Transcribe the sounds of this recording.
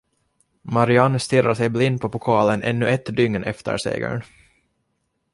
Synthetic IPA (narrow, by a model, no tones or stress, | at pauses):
maɾɪanːst̪ɪrːʔaʂɛjblɪnd̪̚pʰɔpʊkʰɑːlənʔɛ̰nːɵʔɛt̪ːd̪ʏŋnɛ̰ft̪ə̰ɾsḛːɡə̰ɳ